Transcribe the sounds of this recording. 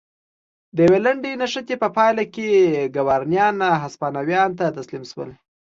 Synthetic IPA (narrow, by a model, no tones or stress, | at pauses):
d̪əjawelaɳɖenaʂət̪epəpɑjlakeɡawɑɾnjɑnɦaspɑnawjɑnt̪at̪aslimʃwə̰l